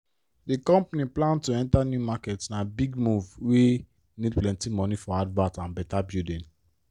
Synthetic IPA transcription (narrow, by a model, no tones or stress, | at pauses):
dikɔ̃mpniplãntuɛ̃ntanjumakɛtnabiɡmuvwe | nid̚plɛ̃ntĩmɔ̃nifɔadvãtãnbɛtabjudĩn